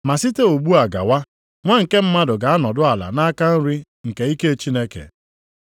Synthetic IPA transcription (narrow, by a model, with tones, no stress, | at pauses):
ma˨si˦te˦o˨ɡ͡bu˦a˨ɡa̰˨wa˦ | ŋʷa˦ŋ̩˨ke˦m̩˦ma˦dʊ˨ɡa˨a˦nɔ˨dʊ˦a˨la̰˨na˦ka˦n̩˦ɾi˦ | ŋ̩˨ke˨i˦ke˦e˦t͡ʃi˦ne˦kḛ˨